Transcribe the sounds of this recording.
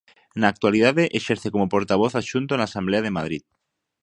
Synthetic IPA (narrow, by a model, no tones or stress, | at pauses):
naːk̚t̪waliðaðeʔeʃeɾθekomopoɾt̪aβ̞oθaʃunt̪onaːsambleað̞emað̞ɾit̪